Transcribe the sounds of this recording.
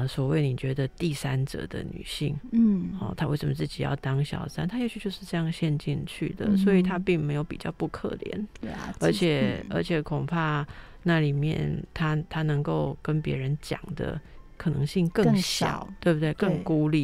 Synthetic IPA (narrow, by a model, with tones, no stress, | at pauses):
swɔ˨˩we˥˩ɪni˨˩t͡ɕɥɛ˧˥d̪ə˧t̪i˥˨sa˦nʈ͡ʂɤ̰˨˩d̪ə̰˨ny̰˨˩ɕi˥˩ŋ˥ɔ̰˥˩t̪ʰa˥we˥˩ʂə˨˩mə˧˩t͡sɨ˥˩t͡ɕi˨˩jɑ̰˥˩ʊt̪ɑ˥ŋɕjɑ̰˨˩ʊsa̰˥nt̪ʰa˥jt͡ɕʰy˥˧t͡ɕjo˥˧ʊʂɻ̩˥˧ʈ͡ʂɤ˥˧jɑ˥˩ŋɕjɛ˥˧nt͡ɕḭ˥˧nt͡ɕʰy̰˥˩d̪ə̰˩swɔ˧˥i˨˩t̪ʰa˦˥pi˥˩ŋme˧˥ɪjo˨˧ʊpi˨˩t͡ɕjɑ˥˧ʊpu˥˧kʰɤ̰˥˩ljɛ̰˧˦nə˞˧˥t͡ɕʰjɛ˨˩ə̰˞˧˥t͡ɕʰjɛ˨˩kʰo˨˩ŋpʰa˥˧ | na˥˩li˨˩mjɛ̰˥˨nt̪ʰa˥t̪ʰa˥nɤ˧˥ŋko˥˩ʊkə˦npjɛ˧˥ɻə˧˦nt͡ɕjɑ̰˨˩ŋd̪ə̰˦ | kʰɤ˨˩nɤ˧˦ŋɕi˥˧ŋkɤ˥˧ɕjɑ̰˨˩˦ʊ˦t̪we˥˧bu˧t̪̬we˥˩ɪkə˥˧ŋku˥li˥˩